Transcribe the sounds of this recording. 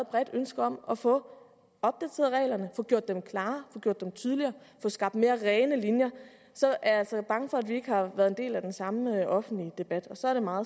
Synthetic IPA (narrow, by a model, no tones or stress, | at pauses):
ð̩ˠb̥ʁɛd̥ønsɡ̥ɐɒ̽m̰ɒ̽fɔ̽ | ɒ̽b̥̚d̥æt͡sʰḛːðˠʁɛ̰ːlɐnəfɔ̽ɡ̥jo̝ɐ̰d̥ːemkʰlɑ̈ːfɔ̽ɡ̥jo̝ɐ̰d̥emt͡sʰyðˠliɐːfɔ̽sɡ̥ɑ̈b̥d̥me̝ːɐʁɛːnəlinjɐ | sɒ̽ʔæɐæl̰sɐb̥ɑ̈ŋəfɒ̽æd̥ʋie̝ɡ̥əhɑ̈ʋæɐðˠe̝nd̥e̝̰ːlæd̥ensɑ̈məøʔɒ̽fn̩d̥lid̥e̝b̥æd̥ɒ̽sɒ̽æɐɾ̥e̝mɑ̈ːð̩ˠ